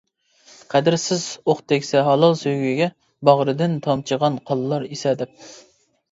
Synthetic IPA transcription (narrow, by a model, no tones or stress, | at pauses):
qʰæd̪ɪɾsɪzoχt̪ʰɛkʲsɛɦɑlˠɨlsøjɡʲiɡʲɛ | bɑʁɾɨd̪ɪnt̪ʰɑmt͡ʃʰəʁɑnqʰɑlˠlˠɑɾisɛd̪ɪp̚